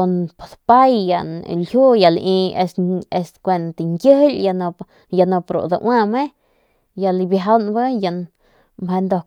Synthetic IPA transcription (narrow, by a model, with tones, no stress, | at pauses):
o˧npḁ˨d̪pa˦jːa˨nlhu˦ja˨li˧e˧se˧skʷe˧nt̪i˨ŋkʲjə˦lʲja˧n˧ | ja˧no˧pɾo̰˨d̪a̰˧ʔwʔa˦˧me˦ | ja˧lbjaa˦nba˦ja˧n | mhe˧nd̪o˧